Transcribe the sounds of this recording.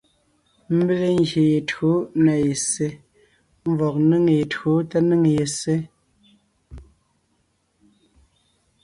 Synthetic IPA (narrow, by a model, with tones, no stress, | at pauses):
m̩˦be˦le˦ŋɡje˨je˨txo˨˦na˨je˨se˦ | ɱ˦vɔ˨k̚nɨ˦ŋje˨txo˨˦tɛ˦nɨ˦ŋ˨je˨se˦